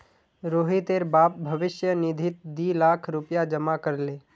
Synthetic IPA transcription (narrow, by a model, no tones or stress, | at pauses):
ɾoːɦit̪eɾbaːp̚bʱɐʋɪʃjənɪd̪ʱɪt̪̚d̪iːlaːkʰɾʊpjad͡ʒəmakəɾleː